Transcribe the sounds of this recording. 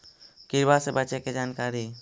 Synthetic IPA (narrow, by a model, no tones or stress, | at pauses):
kiɾbasɛbat͡ʃɛkɛd͡ʒankaɾi